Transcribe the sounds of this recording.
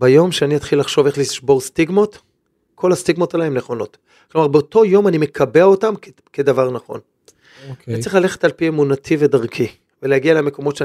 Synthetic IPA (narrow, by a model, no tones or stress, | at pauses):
bajo̞mʃeaniat̪χilːaχʃo̞veχliʃbo̞ʁstiɡmo̞t | kʰo̞lhastiɡmo̞talaemneχo̞no̞t | klo̞maʁbeoto̞jo̞manime̞kʰabeaotam | kedavaʁnaχo̞̰n | oanit͡sʁiχlale̞χetalpiemunatʰivedaʁkʰi | velehaɡialeme̞ko̞mo̞tʃe